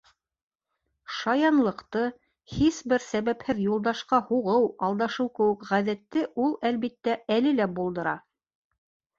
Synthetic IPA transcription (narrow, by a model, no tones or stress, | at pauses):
ʃɑjɑnlˠɤ̆qt̪ɤ | hisbɘɾsæβæphɘðjulˠd̪ɑʃqɑhuʁɤwɑlˠd̪ɑʃɤwkɘ̆wɘ̆kʁæðæt̪ːɘʔulˠælβit̪ːæælɘlæbulˠd̪ɤ̆ɾɑ